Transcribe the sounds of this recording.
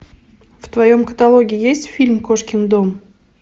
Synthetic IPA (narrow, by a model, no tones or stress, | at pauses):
ft̪vɐjomkə̥t̪ɐlˠoɡʲɪjesʲtʲfʲilʲmkoʂkʲɪnd̪om